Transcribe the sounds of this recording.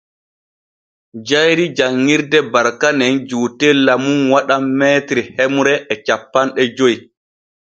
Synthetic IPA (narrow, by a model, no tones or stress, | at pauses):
d͡ʒajɾid͡ʒaŋːiɾdɛbaɾkanɛnd͡ʒuːtɛlamunwaɗamːɛːtɾihemuɾɛʔɛt͡ʃapːanɗɛd͡ʒoj